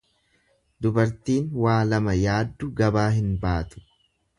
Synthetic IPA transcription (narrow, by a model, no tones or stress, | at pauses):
d̪ʊbɐɾt̪iːnwaːlɐmɐjaːd̪ːʊɡɐbaːɦɪnbaːt̪ʊ̥